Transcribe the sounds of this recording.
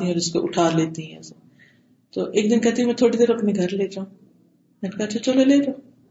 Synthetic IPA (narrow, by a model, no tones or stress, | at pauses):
t̪iɦɛɔːɾɪskoʔʊʈʰaːɾleːt̪iɦɛ̃ɛ̰̃se | t̪oːʔeːk̚d̪ɪnkɛɦt̪iɛ̃mɛ̃ːt̪ʰoːɽid̪eːɾɐpniɡʱɐɾleːd͡ʒaːũ | mɛnkaɐt͡ʃʰat͡ʃɐloleːd͡ʒaː